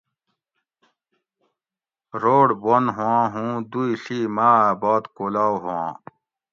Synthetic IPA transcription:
ɾoːɽbonɦãːɦũːd̪uiɬiːmaːbɔːt̪koːlaːwɦoã̰ː

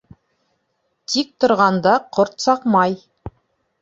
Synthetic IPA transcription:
t̪ʰik̚t̪ŏɾʁɑnd̪ɑqʰoɾt̪sɑqmɑj

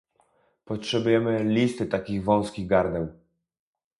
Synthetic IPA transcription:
pɔtʂɛbujɛmɘlʲist̪ɘt̪akʲiɣvɔ̃w̃skʲiɣɡaɾd̪ɛw

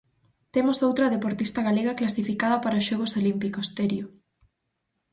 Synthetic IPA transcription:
t̪emʊsowt̪ɾɐðepoɾt̪ist̪ɐɣaleɣɐklasifikað̞ɐpaɾɐosʃoɣ̞osolimpikost̪eɾjo

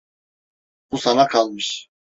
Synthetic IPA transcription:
b̥usanakʰalˠmɯʃ

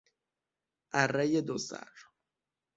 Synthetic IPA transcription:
ʔærːejed̪osæ̰ɾ

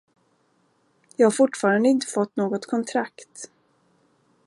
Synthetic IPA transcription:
jɑːɡhaɾfʊʈːfɑːɾand̪əɪnt̪ə̥fɔt̪ːnoːɡɔt̪kʰɔnt̪ʰɾakt̪

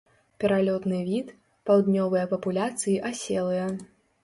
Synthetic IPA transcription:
pʲɛɾalʲɔt̪nɨvʲit̪ | pawd̪nʲɔvɨjɐpɐpulʲat̪sɨjiʔasʲɛlˠɨjɐ

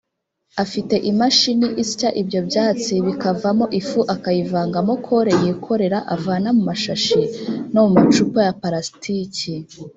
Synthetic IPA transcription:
afite̞ʔimaʃiniʔisi̥caʔibɟo̞bjaːt͡siβikavamo̞ʔifuʔakajivaːŋɡamokʰo̞ɾe̞jikʰo̞ɾe̞ɾaʔavaːnamumaʃaʃinomumat͡ʃupojapaɾastʰici

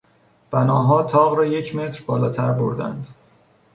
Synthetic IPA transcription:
b̥ænɒːɦɒːt̪ʰɒːɣɾɒːje̞cʰme̞t̪ɾbɒːlɒːt̪ʰæɾboɾd̪æ̰nd̪

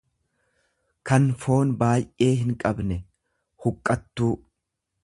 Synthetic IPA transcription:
kɐnfo̞ːnbaːjʔe̞ːɦɪŋkʼɐbnɛ | hʊkʼːɐt̪ːuː

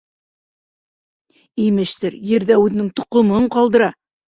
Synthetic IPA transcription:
ijmɘ̆ʃt̪ɘɾjɘ̆ɾðæʉðɘ̆nɘŋt̪ŏqŏmɤɴqɑlˠd̪ɤ̆ɾɑ

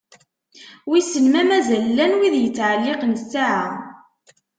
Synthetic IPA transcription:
wisənmæmæzælːænwiðjət͡sːʕəlːɪqənsaʕa

